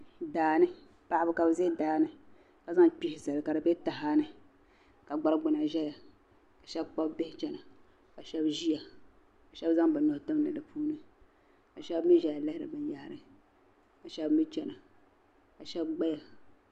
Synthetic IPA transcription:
daː˨nɨ˦ | pa˨ʔbɨ˦ka˨bɨ˨ze˦daː˨nɨ˦ | ka˨za˦ŋk͡pi˦hɪ˨za˨lɨ˨ka˨dɨ˨bɛ˦ta˨ɦaː˦nɨ˦ | ka˨ɡ͡ba˦ɾɨ˦ɡ͡bʊ˨na˨ʒɛ˦ja˨ | ka˨ʃɛ˦bk͡pa˦bbe˦hɪ˦t͡ʃɛ˨na˨ | ka˨ʃɛ˦bʒi˦ja˨ | ka˨ʃɛ˦bza˦ŋbɨ˨no˨htɨ˦m˦nɨ˨dɨ˨pʰuː˦nɨ˦ | ka˨ʃɛ˦bmi˦ʒɛ˦ja˨lɛ˦hɪ˦ɾɨ̰˨bɨ˦ja˨hɾɨ˨ | ka˨ʃɛ˦bmi˦t͡ʃɛ˨na˨ | ka˨ʃɛ˦bɡ͡ba˦ja˨

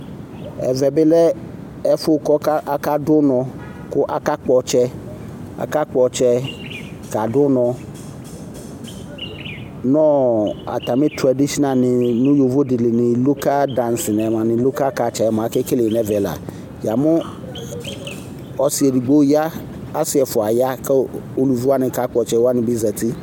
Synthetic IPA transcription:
ɛ̰˨vɛ˨bɪ˦lɛ˦ | ɛ˦fʊ˦˨kɔ˦ka˦ʔa˦ka˦dʊ˦nɔ̃˧ | kʊ˦ʔa˦ka˦k͡pɔ˨t͡ʃɛ˦ | a̰˨ka˦k͡pɔ˨t͡ʃɛ˦ | ka˨dʊ˦nɔ̃˧ | nɔ̃˦˨a̰˨ta˨mɪ̃˦tɾa˨di˦ʃi˦na˨nɪ̃˨nʊ̃˦jo˨vo˦dɪ˨lɪ˨nɪ̃˨lo˦ka˦dã˨nsɪ˨nɛ˨mã˨nɪ̃˨lo˦ka˦ka˨t͡ʃɛ˨mã˨˦kɛ˦kɪ˦le˨nɛ˦vɛ˨la̰˨ | ja˨mʊ̃˦ | ɔ˨si˨ɛ˨di˨ɡ͡bo˦ja˦ | a˦sɪ˦ɛ˨fʊ˨a˨ja˦kɛ˦o˦lu˨vu˦a˦nɪ̃˨ka˦k͡pɔ˨t͡ʃɛ˦wa˦nɪ̃˨bi˦zɛ˨t̪i˦

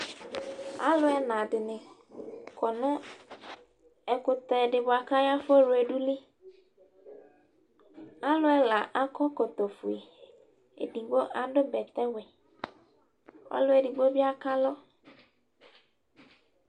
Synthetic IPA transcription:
a̰˦lʊ˦ɛ˦nã˨d̪ɪ˨nɪ̃˨ | kɔ˨nʊ̃˦ | ɛ˨kʊ˨t̪ɛ˨ɖɪ˨bʊ˨a˨ka˦ja˦fo˦ɾʊ˨e˨ɖu˦li˦ | a˦lʊ˦ɛ˦la˨ʔa˦kɔ˦ko˨t̪ɔ˨fu˨e˨ | ḛ˨ɖi˨ɡ͡bo˦ʔa˨ɖʊ˦bɛ˨t̪ɛ˦wɛ˨ | ɔ̰˦lʊ˦e˨ɖi˨ɡ͡bo˦bi˦a˦ka˦lɔ˦

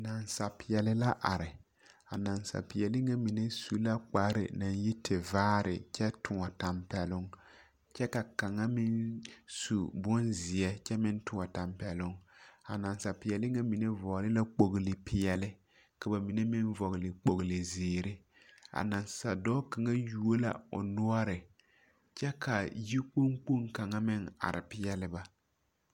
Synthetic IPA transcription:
na˨nsa˨pɪ˨jɛ˨lɪ˦la˦ʔa˨ɾɪ˨ | a˨na˨nsa̰˨pɪ˨jɛ˨lɪ˦ŋa˦mi˨ne˦su˦la˦k͡pa˦ɾɪ̰˨na˨nji˦tʰɪ˨vaː˦ɾɪ̰˨t͡ʃɛ˦tʊ˨ŋɔ˨ta˨mpɛ˨lʊ˦ŋ | t͡ʃɛ˦ka˨ka˨ŋa˦mɪ˦nsu˨bɔ˦nzɪ˨ɛ˦t͡ʃɛ˦mɪ˦n˦tʊ˨ŋɔ˨ta˨mpɛ˨lʊ˦ŋa̰˨na˨nsa˨pɪ˨ɛ˨lɪ˦ŋa˦mi˨ne˦vɔ˨lɪ˦la˦k͡po˨ɣlɪ˨pʰɪ˨jɛ˨lɪ˦ | ka˨ba˨mi˨ne˦mɪ˦nvɔ˨ɣɪ˨lɪ˨k͡po˨ɣlɪ˨ziː˨ɾɪ˦ | a̰˨na˨nsa˨dɔː˦ka˨ŋa˦ju˦o˦la̰˨ʊ̰˨nʊ˦a˦ɾɪ˨ | t͡ʃɛ˦ka˨ji˦k͡po˦ŋk͡pu˦ŋka˨ŋa˦mɪ˦ŋa̰˨ɾʔɪ̰˨pɪ˦jɛ˦lɪ˦ba˨

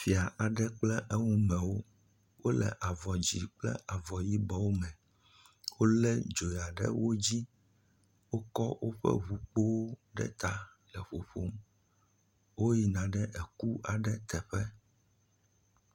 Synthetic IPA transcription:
fi˨a˨ʔa˨ɖɛ˦k͡plɛ˦ʔɛ˦ŋũ˦mɛ̃˨wo˦ | wʔo˦lɛ̰˨ʔa˨vɔ˨d͡ʑi˨k͡plɛ̰˦ʔa˨vɔ˨ji˦bɔ˦wo˦mɛ̃˨ | wo˦lɛ˦d͡ʒo˨ja˨ɖɛ̰˦wo˦d͡ʑi˦ | wo˦kɔ˦wʔo˦ɸɛ̰˦βu˨k͡po˦wo˦ɖɛ̰˦t̪a˨ | lɛ˨ɸo˨ɸo˦m | wo˦ji˨nã˨ɖɛ˦ʔɛ˨ku˦a˨ɖɛ˦t̪ɛ˨ɸɛ˦

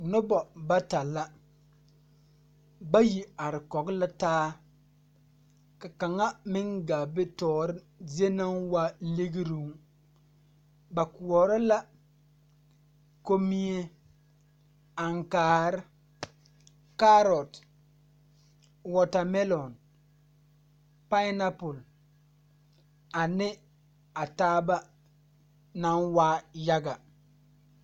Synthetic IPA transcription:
nʊ˦bɔ˨ba˦ta˨la˦ | ba˦ji˨a˨ɾɪ˨kɔ˨ɡɪ˦la˦taː˦ | ka˨ka˨ŋa˦mɪ˦ŋɡa˨bɪ˦tɔː˦˨ɾɪ˦ | ze˦na˦ŋwa˦lɪ˦ɡi˦ɾi˦ŋ˦ | ba˨ku˨ɔ˨ɾɪ˦la˦ | ko˦mi˦e˦ | a˨ŋ˨kaː˨ɾ | ka˦ɾɔ˨t | wɔ˨ta˨mɛ˦lɔ˨n | pa˦na˦pu˨l | a˨nɪ˦ | a˨taː˦ba˦ | na˦nwa˦ja˦ɡa˨

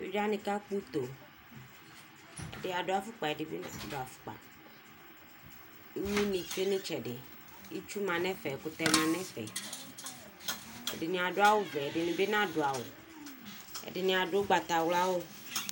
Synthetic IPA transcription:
jo̰˦d͡ʒa˦nĩ˨ka˦k͡pu˦t̪o˨ | ḛ˨dɪ˦a˨ɖo˨a˨fu˦k͡pa˨ɛ˨dɪ˨be˦˨do˨a˨fu̥˦k͡pa̰˨ | i˦ɲĩ˦nĩ˨fe˦nĩ˦t͡ʃɛ˨ɖɪ˨ | i˦t͡ʃu˦mã˨nɛ̃˦fɛ˨kʊ˨t̪ɛ˨mã˨nɛ̃˦fɛ̰˨ | ḛ˨dɪ˨nĩ˨a˨ɖo˦a˦wo˦vɛ˨dɪ˨nĩ˨be˦nã˦ɖo˨a˨wo̰˨ | ḛ˨dɪ˨nĩ˨a˨ɖo˦ɡ͡ba˨t̪a˨wla˦wo˦

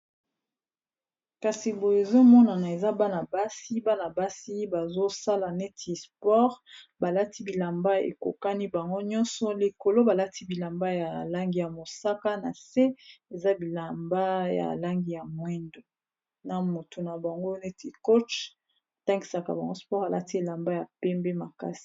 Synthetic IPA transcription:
ka˨si˨bo˨e˨zo˦mɔ˦na˨na˨e˨za˦ba˦na˨ba˦si˦ba˦na˨ba˦si˦ba˨zo˦sa˦la˨ne˦tʰi˨spɔ˦ʁba˨la˦ti˦bi˨la˨mba˦ḛ˨ko̰˨ka˦ni˦ba˨ŋɡo˦ɲɔ̃˦nsɔ˨li˨ko˨lo˦ba˨la˦ti˦bi˨la˨mba˦ja˨la˦ŋɡi˨ja˨mo˨sa˦ka˦na̰˨se˦e˨za˦bi˨la˨mba˦ja̰˨la˦ŋɡi˦ja˨mwɛ˦ndo˨ | na˨mo˨to˨na˨ba˨ŋɡo˦ne˦tʰi˨ko˦t͡ʃ | a˨ta˦ŋɡi˨sa˨ka˨ba˨ŋɡo˦spɔ˦ʁa˨la̰˦ti˦e˨la˨mba˦ja˨pɛ˦mbɛ˦ma˨ka˦si̥˨

